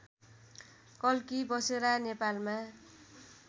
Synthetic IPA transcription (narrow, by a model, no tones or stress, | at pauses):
kʌlkibʌseɾanepalmã